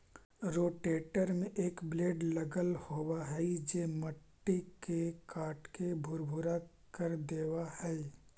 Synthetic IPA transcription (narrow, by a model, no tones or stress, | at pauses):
ɾoːʈeːʈəɾmẽʔeːkbleːɖləɡəlhoːwaɦɛid͡ʒeːməʈːikekaːʈkebʱʊɾbʱʊɾa | kəɾd̪eːʋahɛi